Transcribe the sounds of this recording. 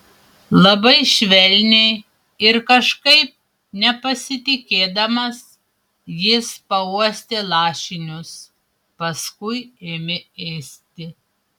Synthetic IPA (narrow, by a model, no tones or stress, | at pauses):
lˠɐbɐɪʃʲʋʲɛlʲnʲe | ɪɾkɐʃkɐɪp̚ | nʲɛpɐsʲɪt̪ʲɪkʲeːd̪ɐmɐs | jɪspɐuɔsʲt̪ʲelˠɑːʃʲɪnʲʊs | pɐskʊɪeːmʲɪɛːsʲt̪ʲɪ